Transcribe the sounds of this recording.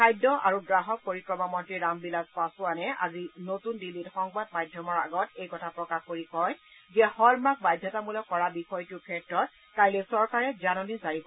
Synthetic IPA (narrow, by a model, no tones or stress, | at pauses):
kʰajdɔʔaɹuɡɹaɦɔk̚poɹikɹɔmamɔntɹiɹambilaspasʊanɛa̰zinotundilitxɔŋbadmajdʱjɔmɔɹaɡɔtejkɔtʰapɹɔkaxkoɹikɔjzɛhɔlmak̚bajdʱjɔtamulɔkːɔɹabixɔjtʊkʰɛtɹɔt̚ | kajlɛsɔɹkaɹɛzanɔnisaɹibɔ